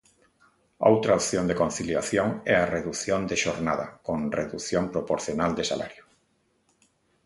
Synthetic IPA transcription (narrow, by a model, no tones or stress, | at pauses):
a̰owt̪ɾaopθjond̪ekon̟θiljaθjoŋɛareðuθjond̪eʃoɾnaðɐkoŋreðuθjompɾopoɾθjonald̪ɪsa̰la̰ɾjʊ